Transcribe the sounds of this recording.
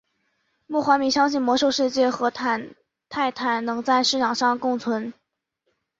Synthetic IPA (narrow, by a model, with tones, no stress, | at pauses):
mu˥˩xwa˧˥mi˧˥ɕjɑ˥ŋɕ̬i˥˩mwɔ˧˥ʂo˥˧ʊʂɻ̩˥˧t͡ɕjɛ˥˩xɤ˧˥t̪ʰa˧˥n | t̪ʰa˥˩ɪt̪ʰa˧˥nnɤ˧˥ŋt͡sa˥˧ɪʂɻ̩˥˩ʈ͡ʂʰɑ˨˩ŋʂɑ˥˧ŋkʊ˥˩ŋt͡sʰwə˧˥n